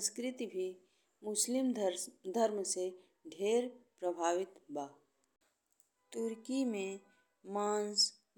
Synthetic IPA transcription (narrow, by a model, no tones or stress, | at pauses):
skɾɪt̪ibʱi | mʊslɪmd̪ʱəɾmse | ɖʱeːɾpɾəbʱaːʋɪt̪baː | t̪ʊɾkimẽ | mãːns